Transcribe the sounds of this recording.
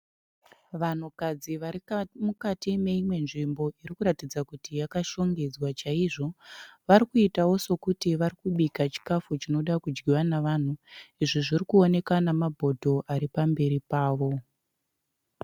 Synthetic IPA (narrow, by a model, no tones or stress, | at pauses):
ʋan̤ukad͡ziʋamukatime̞imwe̞nʐimbo̞ʔiɾikuɾatid͡zakutijakaʃo̞ŋɡe̞d͡zwat͡ʃaiʐo̞ʋaɾikuitawo̞so̞kutiʋaɾikuɓikat͡ʃi̥kafut͡ʃino̞ɗakud͡ʒɡiwanaʋan̤uiʐiʐirikuo̞ne̞kanamabʱo̞dʱo̞ʔaɾipambe̞ɾipaːʋo̞